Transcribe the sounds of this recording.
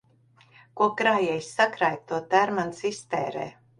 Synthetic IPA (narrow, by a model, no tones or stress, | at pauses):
kuɔkɾaːjɛjsʲsakɾajk̚t̪uɔt̪æɾmansist̪ɛːɾɛ̰ː